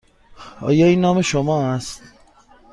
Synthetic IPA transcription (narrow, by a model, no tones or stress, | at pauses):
ɒ̰ːjɒːiːnːɒːme̞ʃomɒːæst̪